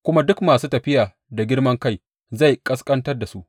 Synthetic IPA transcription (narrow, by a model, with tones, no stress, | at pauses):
kʷʊ˦ma˦dʊ˦kmaː˨suː˦tɐ˨ɸɪ˦jaː˨ | da˨ɡʲɪ˦rmɐ˦ŋka˦j | za˦˨jkʼɐ˦skʼɐ˦ntɐ˦rda˨su˦ʔ